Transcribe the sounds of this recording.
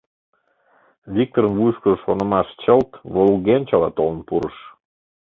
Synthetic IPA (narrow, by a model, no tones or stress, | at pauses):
βʲik̚t̪oɾənvujʃkəʃonə̆mɑʃt͡ɕəlt̪βolɣenʲt͡ɕɑlɑt̪olə̆npuɾə̰ʃ